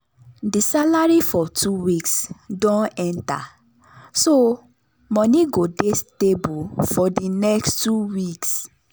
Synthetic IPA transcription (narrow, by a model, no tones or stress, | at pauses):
disalaɹifɔtʰuwiksdɔ̃nɛ̃nta̰ | so | mɔ̃niɡodestebufɔdinɛkstuwiks